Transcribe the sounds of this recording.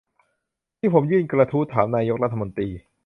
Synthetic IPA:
t̪ʰiː˥˩pʰo˩˦mjɯː˥˩nkɾa˧t̪ʰuː˦˥t̪ʰaː˩˦mnaː˧jo˦˥k̚ɾa˦˥t̪ʰːa˧mo˧nt̪ɾiː˧

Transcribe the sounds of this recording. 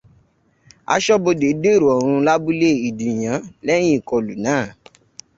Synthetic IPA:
a̰˧ʃɔ˦bo˧de˨˦de˦˨ɾo˨ɔ˨ɾ̃ũ˧la˦bu˦le˦˨i˨di˨j̃ã˨˦lɛ̃˦ĩ˦˨kɔ˧lu˨nãː˦˨

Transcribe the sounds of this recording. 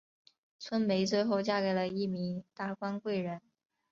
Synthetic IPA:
t͡sʰwə˥nme˧˥ɪt͡swe˥˧ɪxo˥˧ʊt͡ɕja˥˧ke˧˩ɪlə˧i˥˩mi˧˥ŋt̪a˥˩kwa˥nkwe˥˩ɪɻə˧˥n

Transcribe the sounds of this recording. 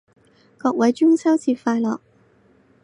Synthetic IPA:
kɔː˧k̚wɐ˨˥jt͡ʃy˥ŋsɐ˥wt͡sʰiː˧˩faː˧jlɔ̰ː˨k̚

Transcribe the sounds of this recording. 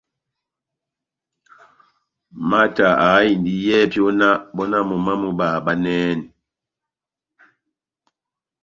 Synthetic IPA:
ma˦ta˨a˨˦i˨ndi˦jɛ˦˨pjɔ˦na˦bɔ˦na˦mɔ˨ma˦mu˦ba˨ba˦nɛː˦n˨

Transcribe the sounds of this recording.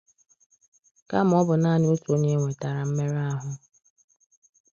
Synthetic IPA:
ka˦m̩˦ɔ˦bʊ˨na˦nɪ˦o˦to˦ɲe˦ŋʷe˨ta˨ɾa˨m̩˦me˦ɾa˦ɦʊ˦

